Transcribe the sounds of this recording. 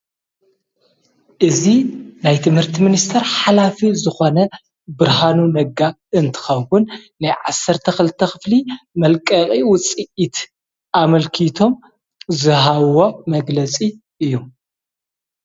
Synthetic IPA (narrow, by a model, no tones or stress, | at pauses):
ʔɨzinajt̪ʰɨmhɨɾt̪ʰɨminist̪ʰɐɾħalafizɨxo̞nɐ | bɨɾɦanunɐɡa | ɨnt̪ʰɨ̥xɐwwunnːajʕasːɐɾt̪ʰɐxɨlɨt̪ʰːɐxɨflimɐlkʼɐkʼiwʊt͡sʼiʔit̪ | ʔamɐlkʰit̪ʰo̞m | zɨɦaβo̞mɐɡlɐt͡sʼi | ʔɨjːu